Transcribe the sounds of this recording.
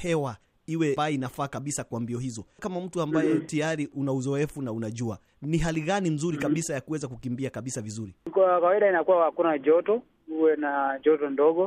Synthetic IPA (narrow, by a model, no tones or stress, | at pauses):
hɛwa | iwɛainafaːkaɓisakwambiɔhizɔkamam̩tuambajɛtijaɾiʔunauzɔɛfunaunaʄua | niɦaliɣanim̩zuɾikaɓisajakuwɛzakukimbiakaɓisavizuɾikkawaiɗainakuwahakunaʄɔtɔ | uwɛnaʄɔtɔndɔɠɔ